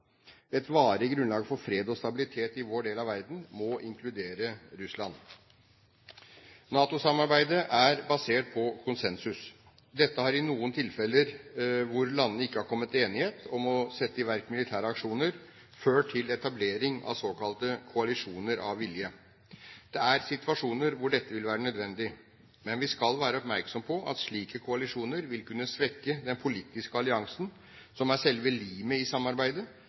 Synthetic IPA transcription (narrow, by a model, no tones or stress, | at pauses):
ɛt̪ʋɑːɾəɡɾʉnlɑːɡfɔɾfɾeːd̪ɔst̪ɑbɪlɪt̪ʰeːt̪ɪʋoːɖeːlɑʋæɾd̪n̩mɔʔɪŋkʰlʉd̪eːɾəɾʉslɑn | nɑːt̪ʊsɑmɑɾbæɪd̪əʔæɾbɑseːʈ̚pʰɔkʰʊnsɛnsʉs | d̪ɛt̪ːəhɑɾɪnuːənt̪ʰɪlfɛlːəɾʋʊɾlɑnːəɪkːəhɑɾkʰɔmːət̪ʰːeːnɪheːt̪ʰɔmɔsɛt̪ːəɪʋæɾkmɪlɪt̪ʰæːɾəɑkʂuːnəɾ | føːʈʰɪlɛt̪ɑbleːɾɪŋɑ̰ʋsoːkʰɑlt̪əkʰʊɑlɪʂuːnəɾʔɑ̰ʋːɪljə | d̪̥ɛæɾsɪt̪ʰʉɑʂuːnəɾʋʊɖɛt̪ːəʋɪlʋæːɾənœd̪ʋɛnd̪ɪ | mɛnʋɪskɑlʋæːɾəɔpmæɾksɔmpʰɔʔɑ̰t̪ʂɭiːkəkʰʊɑlɪʂuːnəɾʋɪlkʉnːəsʋɛkːəd̪ɛnpʰʊliːt̪ːɪskəɑlɪɑŋsn | sɔmæʂɛlʋəliːməɪsɑmːɑɾbæɪd̪ə